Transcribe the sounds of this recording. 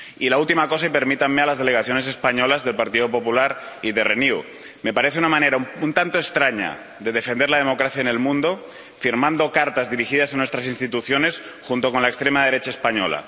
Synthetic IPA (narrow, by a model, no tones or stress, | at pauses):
ilault̪imako̞saipe̞ɾmit̪ammːealazðe̞leɣaθjone̞s̬e̞spaɲo̞lazðe̞lpaɾt̪iðo̞po̞pulaɾiðereniu | me̞paɾe̞θeunamãne̞ɾaunt̪ant̪oest̪ɾaɲa̰ | ðe̞ð̞e̞fe̞nd̪eɾlaðemo̞kɾaθjaene̞lmũnd̪o̞ | fiɾmãnd̪okaɾt̪azðiɾixiðas̬anwest̪ɾas̬inst̪it̪uθjo̞ne̞s | xunt̪o̞ko̞nlaekst̪ɾemaðe̞ɾe̞t͡ʃaespaɲo̰la̰